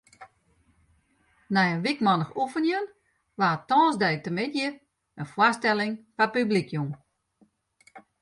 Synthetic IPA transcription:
nɛjəʋikmɔnəxufənjən | ʋaətɔːsdɛj̚təmɪdjə | ənfwastɛlɪŋfapyblikʰjum

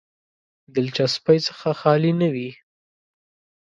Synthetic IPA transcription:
d̪əlt͡ʃaspajt͡sə̥xaxɑlinawi

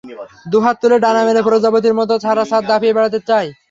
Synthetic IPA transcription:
d̪uɦat̪ːuleʈanamelepɾod͡ʑabot̪̬iɾmɔt̪̬ot͡ɕʰaɾaʃat̪̚d̪apʰiebɛɽat̪̬et͡ɕae

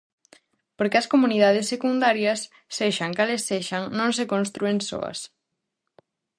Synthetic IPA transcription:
poɾkeɐskomuniðað̞esːekund̪aɾjɐsː | eʃɐŋkalesːeʃaŋnõŋsekõnst̪ɾuenso̰ɐ̰s

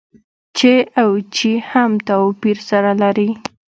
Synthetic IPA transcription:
t͡ʃeawt͡ʃihamt̪awpiɾsaɾalaɾi

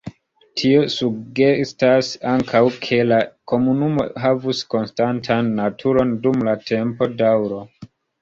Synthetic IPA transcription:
tʰio̞suɡe̞stasaŋkʰawkʰe̞lako̞munumo̞̰ɦavusko̞nstantʰanːatʰuɾo̞ndumlatʰe̞mpo̞dawɾo̞

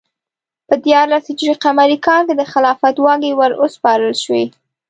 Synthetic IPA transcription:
pəd̪jɑɾlasd͡ʒɾiqamaɾikɑnked̪əxɪlɑfat̪wɑɡewəɾospɑɾəlʃwe

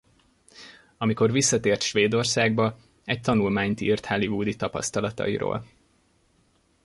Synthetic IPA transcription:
ɒmiko̞rʋisːɒt̪eːrt̪ʃʋeːd̪o̞rsaːɡ̚bɒ | ɛc̚t̪ɒnulmaːɲt̪iːrt̪hɒlivuːd̪it̪ɒpɒ̰st̪ɒlɒt̪ɒ̰ḭɾo̰ːl

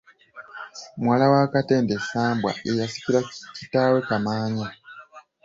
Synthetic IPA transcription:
mwaːlawaːkate̞ːndesaːmbwa̰ʔejasi̥ciɾacitaːwe̞kamaːɲa

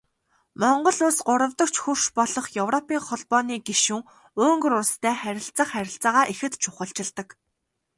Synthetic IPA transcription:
mɔɴɢɞ̆ɮʊsɢʊɾə̆wt̪ɞ̆k̚t͡ɕxur̥ʃpɔɮɞ̆χjɵwrɔpiːŋχɔɮpɔːniːɡeʃuːŋ | ɵːŋɡɵ̆ɾʊst̪ʰæːχæɾʲɪ̆ɬt͡sə̆χːæɾʲɪ̆ɬt͡saːʁaːʔixɘ̆t̪t͡ɕʰʊχə̆ɬt͡ɕɪ̆ɮt̪ə̆k

